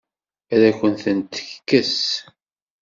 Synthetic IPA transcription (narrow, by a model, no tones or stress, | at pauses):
æɾæçənθənt̪ə̥çkːəs